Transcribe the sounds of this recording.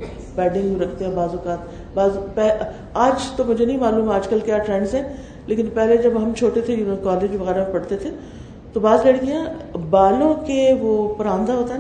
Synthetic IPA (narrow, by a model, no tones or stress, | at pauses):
pɛːɖɪ̃ŋɡjuɾɐkʰt̪eɦɛ̃baːzʊkaːt̪ | baːzpɛɦ | aːd͡ʒt̪omʊd͡ʒʱenɐɦĩmaːlũːmaːd͡ʒkɐlkjaːʈɾɛ̃ːɳɖzɦɛ̃ː | leːkɪnpɛɦled͡ʒɐbɦɐmt͡ʃʰoːʈet̪ʰekaːleːd͡ʒʋɐɣɛːɾapɐɽt̪et̪ʰe | t̪obaːzlɐɽkijãbaːlõkeʋoːpɐɾãːnd̪aɦoːt̪aɛ